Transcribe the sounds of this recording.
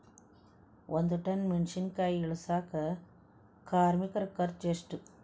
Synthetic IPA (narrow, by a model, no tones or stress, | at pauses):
ʔɐnd̪ɯʈːɐnmɪnʂinkɐjɪɭɯsaːkɐ | kaːɾmikɐɾkːɐɾt͡ʃesʈɯ